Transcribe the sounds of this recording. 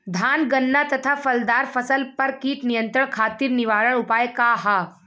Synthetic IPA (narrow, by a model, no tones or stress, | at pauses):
d̪ʱaːnɡənːat̪ɐt̪ʰafɐld̪aːɾfɐsəlpɐɾkiːt̪nɪjə̃nt̪ɾəɳ̃kʰaːt̪iːɾnɪʋaːɾəɽ̃ʊpaːjkaɦaː